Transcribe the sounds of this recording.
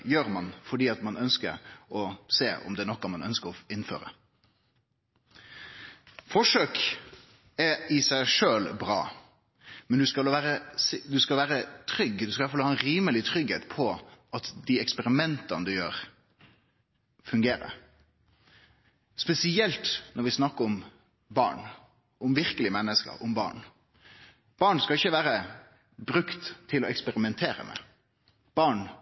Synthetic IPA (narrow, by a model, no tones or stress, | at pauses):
jøːɾmɑnfɔɖiːɑt̪mɑnœnskə̰ɾɔseːɔ̰md̪ɛːnɔkːɑmɑnœ̰nskəɾɔɪnfø̰ːɾə̰ | fɔʂøːk | ɛɪsæɪʂøːlbɾɑ̰ː | mɛnd̪ʉskɑlʋæːɾəsd̪ʉskɑlʋæːɾət̪ʰɾʏɡd̪ʉskɑlɑfɑlhɑːɛnɾiːməlɪt̪ʰɾʏɡhḛːt̪pʰɔʔɑt̪d̪iɛkspɛɾɪmɛnt̪ɑnəd̪ʉjø̰ːɾ | fʉŋɡeːɾə̰ɾ | spɛsɪɛlt̪nɔɾʋɪsnɑkːəʊm | bɑ̰ːɳ | ʊmʋɪɾkəlɪmɛnːəskə̰ɾʊmbɑ̰ːɳ | b̥ɑːɳskɑɪçːəʋæːɾə | bɾʉkt̪ʰːɪlɔɛkspɛɾɪmɛnt̪ʰeːɾə̰mʔɛ̰ | b̥ɑːɳ